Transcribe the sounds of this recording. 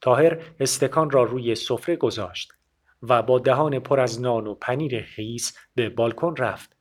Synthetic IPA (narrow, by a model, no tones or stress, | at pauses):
t̪ʰɒːɦe̞ɾest̪e̞kʰɒːnrɒːruːje̞so̞fɾe̞ɡo̞zɒːʃt̪ | væbɒːd̪æɦɒːne̞pʰoɾæznɒːnopʰæniːɾeχiːsbe̞bɒːlkʰo̞nræft̪